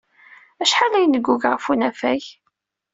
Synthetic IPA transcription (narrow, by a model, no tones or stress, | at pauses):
æʃħalæjnəɡːuɡʁəfunæfæj